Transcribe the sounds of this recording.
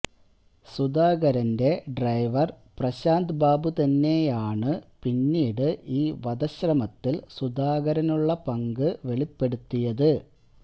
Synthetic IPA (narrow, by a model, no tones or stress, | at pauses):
sud̪aːɡɐɾɐnde̞ɖrɐjʋɐr | prɐɕaːnd̪baːbut̪ɐnːe̞jaːɳɨpinːiːɽɨʔiːʋɐd̪ɐɕrɐmɐt̪ːilsud̪aːɣɐɾɐnuɭːɐpɐŋɡɨʋe̞ɭipːe̞ɽut̪ːijɐðɨ